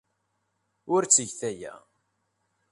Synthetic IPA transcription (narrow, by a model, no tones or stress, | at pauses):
ʊɾt͡sːəʝθæjæ̰